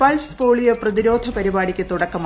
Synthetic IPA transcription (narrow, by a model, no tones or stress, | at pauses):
pɐlspo̞ːɭijɐprɐðiɾo̞ːd̪ʱɐpɐɾibaːɽikʲːɨt̪uɽɐkːɐm